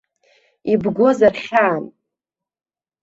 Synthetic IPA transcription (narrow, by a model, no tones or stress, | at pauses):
ibɡʷo̞zarχʲaːn